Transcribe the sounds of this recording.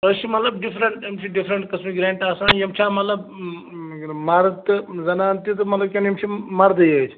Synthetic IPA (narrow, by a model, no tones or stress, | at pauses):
əʃimɐt̪lɐbɖifɾɐɳʈjɐmt͡ʃʰiɖifɾɐɳʈkɐsmiɡɾeːɳʈaːsãːnjɐmt͡ʃʰãːmɐt̪lɐb | mɐɾt̪ɨzɐnaːnt̪it̪ɨmɐt̪lɐb̚kʲɐnjɐmt͡ʃʰimɐɾd̪ɨjət͡ʃʰ